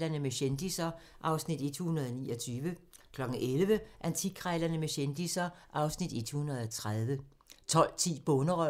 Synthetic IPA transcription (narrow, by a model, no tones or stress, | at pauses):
lɐnəmeɕend̥isɐʔɑ̈ʊsnid̥e̝d̥hunɐðˠɒniːɒt͡sʰyːʋə | kʰlɒ̽ɡ̥ŋ̩ʔelʋəʔænt͡sʰikʰʁaɪlɐnəmeɕend̥isɐʔɑ̈ʊsnid̥e̝d̥hunɐð̞ˠɒt͡sʰʁað̞ˠʋə | t͡sʰɒ̽l̰t͡sʰḭːb̥ɔnəʁœ